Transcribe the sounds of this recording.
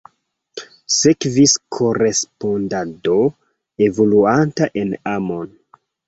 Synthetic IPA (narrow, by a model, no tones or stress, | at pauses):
sekviskʰo̞ɾe̞spo̞ndado | e̞voluantaʔenamo̞n